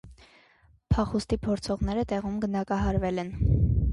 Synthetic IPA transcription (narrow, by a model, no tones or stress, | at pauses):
pʰɑχust̪ipʰɔɾt͡sʰɔʁnɛɾət̪ɛʁumɡənɑkɑɦɑɾvɛlɛn